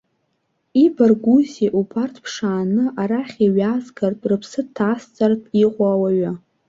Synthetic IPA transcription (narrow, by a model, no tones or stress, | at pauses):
ibarɡʷuziʔupʰartʰpʰʂaːnɨʔaɾaχʲiɥazɡartʼrɨpʰsɨtʰast͡sʼartʼiqʷʼaːwaɥa